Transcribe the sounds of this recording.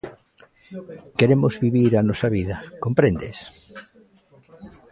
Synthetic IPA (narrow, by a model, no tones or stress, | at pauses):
keɾemozβiβiɾanɔsaβiðɐkompɾẽnd̪ḛs